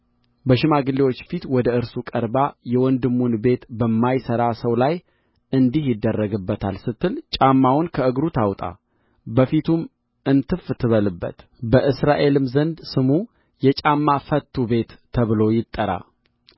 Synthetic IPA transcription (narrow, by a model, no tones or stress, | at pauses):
bəʃɪmaɡɨlːiwot͡ʃːfit̪wɔd̪əɨɾsukʼəɾbajɛwɔnd̪ɨmːunbe̞t̪bəmːajsəɾasəwlaj | ɨnd̪ihjɪd̪ːərːəɡɨbːət̪ʰa̰lsɨt̪ːɨlt͡ʃʼamːawʊnkʰəɨɡɾut̪ʰawt̪ʼa̰ | bəfit̪ʰum | ʔɨnt̪ʰɨft̪ʰːɨβəlɨbːə̰t̪ | bəʔɨsɾaʔe̞lɨmzənd̪sɨmu | jɛt͡ʃʼamːafət̪ʰːube̞t̪ːʰəβɨlo̞jɪt̪ʼːəɾa̰